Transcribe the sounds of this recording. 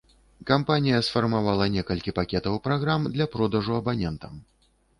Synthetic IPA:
kampanʲijɐsfɐrmavalˠɐnʲɛkɐlʲkʲipakʲɛt̪ɐwpɾaɣɾamd̪lʲɐpɾɔd̪ɐʐuɐbanʲɛnt̪ɐm

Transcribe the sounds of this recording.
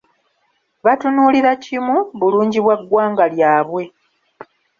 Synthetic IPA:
βatunuːliɾacimuβuluːɲɟiβwaɡːwaːŋɡaljaːβwe̞

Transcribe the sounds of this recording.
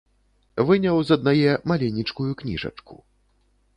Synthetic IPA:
vɨnʲɐwzɐd̪najɛmalʲɛnʲit͡ʂkujuknʲḭʐɐ̰t͡ʂkṵ

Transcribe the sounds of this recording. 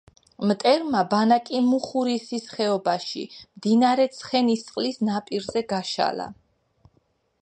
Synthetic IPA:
mt̪ʼɛɾmabanakʼimuχuɾisisχɛɔbaʃḭmd̪inaɾɛt̪sʰχɛnist̪sʼqʼlisnapʼiɾzɛɡaʃa̰la̰

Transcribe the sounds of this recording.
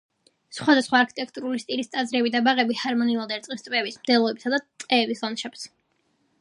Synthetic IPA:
sχwad̪asχwaːɾkʰi̥t̪ʼɛkʰt̪ʼuɾulist̪ʼilist̪ʼazɾɛbid̪abaʁɛbihaɾmɔniulˠad̪ɛɾt̪sʼqʼist̪ʼpʼɛbismd̪ɛlˠɔɛbisad̪at̪ʼqʼɛːbislɔnʃɛps

